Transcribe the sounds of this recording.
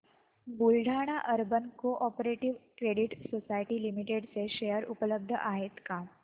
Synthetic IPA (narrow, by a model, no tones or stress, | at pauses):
bulɖʱaɽ̃aʔəɾbənkoʔɔpɾeʈiʋkɾeɽiʈsosajʈilimiʈeɖseʃejəɾupələb̚d̪ʱə̰ʔaɦet̪ka